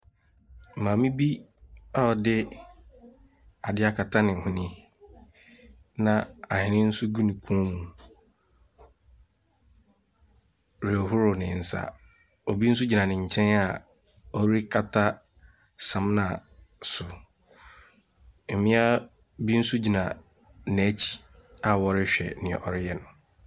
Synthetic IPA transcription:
mãː˨mĩ˦bi˦ | a˦ɔ˨dɪ˦ | a˨dɪ˦a˦kʰa˨tʰa˦nɪ̃˨hʊ̃˦nĩ˦ | nã˨a˨hɪ˨nɪ̃˦n̩˦sʊ˦ɡu˦nĩ˨kʰũ˦mũ˨ | ɾɪ˨ɔ˨ɦʊ˦ɾʊ˨nɪ̃˨n̩˨sa̰˨ | o˨bi˦n̩˦s̬ʊ˦d͡ʑi˨nã˨nɪ̃˨ɲ̩˨t͡ɕʰɛ̃˦na˨ | ɔ˦ɾi˦kʰa˨tʰa˦ | sã˨mnã˨sʊ˨ | m̩˨mɪ̃˦a˦ | bi˦n̩˦su˦d͡ʑi˨nã˨ | n˨æ˦t͡ɕʰi̥˨ | a˨wɔ˨ɾɪ˦ɕᶣɛ̰˨nɪ̃˨ʔɔ˨ɾɪ˦jɛ˦nʊ̃˨

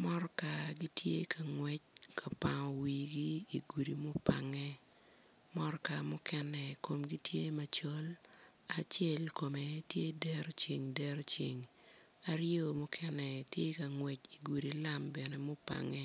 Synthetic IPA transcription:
mɔ˦rka˨ɡi˦tʰjḛ˦kʰa˨ŋwɛ˦t͡ʃ̚kʰa˨pa˨ŋɔ˨wi˨ɡiː˦˨ɡu˨di˨mo˦pa̰˨ŋɛ˦ | mɔ˦ɾka˨mʊ˦kɛ˦nɛ˨ko˨mɡi˦tje˦ma˨t͡ʃo˦l | a˨t͡ʃjɛ˦lko˨me˨tje˦dɛ˦ɾt͡ʃi˨ŋdɛ˦ɾt͡ʃi˨ŋ | a˨ɾjo˦mʊ˦kʰɛ˦nɛ˨tje˦ka˨ŋwɛ˨t͡ʃi˨ɡu˨di˨la˦mbɛ˨nɛ˦mʊ˦pa̰˨ŋɛ˦

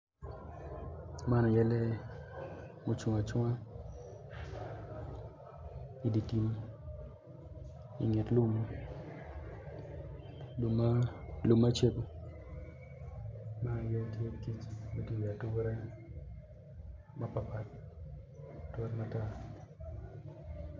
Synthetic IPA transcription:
ma˦nɔ˨jɛ˦lɛ˦ | mo˨t͡ʃu˨ŋa˨t͡ʃwa˦ | i˨di˨ti˦m | ḭ˨ŋɪ˨tlu˦m˦ | llu˨mːa˦t͡ʃe˦ko˨ | ma˦˨jɛ˦tje˦ki˦t͡ʃme˦ti˦wa˨tu˦wɾɛ˦ | ma˦pa˨pa˨t̚ | ta˦tma˦ta˦

